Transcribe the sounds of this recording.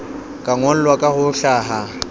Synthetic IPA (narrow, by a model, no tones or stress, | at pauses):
kʼaŋɔl̩lwakʼahʊɬaːɦa